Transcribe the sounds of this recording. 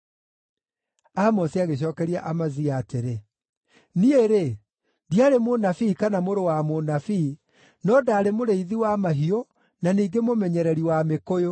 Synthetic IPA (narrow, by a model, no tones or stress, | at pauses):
amɔsiaɣeɕ̬ɔːkɛɾiaʔamaziaːteɾe | nieɾe | diaɾemonafiːkanamoɾowamonafi | nɔdaːɾemoɾeiðiwamaɦio | naniːɡemomɛɲɛɾɛɾiwamekojo